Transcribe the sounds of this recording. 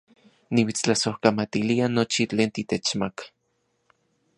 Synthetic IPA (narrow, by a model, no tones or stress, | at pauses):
niwit͡st͡ɬasohkamat̪ilianot͡ʃit͡ɬeːnt̪it̪et͡ʃmakḁ